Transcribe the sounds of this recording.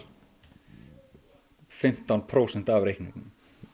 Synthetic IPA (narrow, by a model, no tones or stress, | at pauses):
fɪm̥t̪anpʰɾowsɛn̥t̪avɾejhknɪ̰̃kn